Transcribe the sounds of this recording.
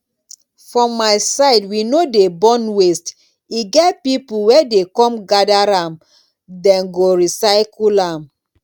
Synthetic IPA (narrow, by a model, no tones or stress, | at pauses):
fɹɔ̃mːasaɪdwinodebɔ̃nwest | iɡɛtpipuwɛdekɔ̃mɡadaɾãm | dɛ̃nɡoɹisaɪkulãm